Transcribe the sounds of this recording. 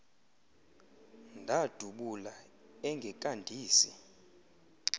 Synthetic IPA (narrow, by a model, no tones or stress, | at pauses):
ndʱad̥ʱuɓula | ɛŋɡʱɛkʼandʱiːsi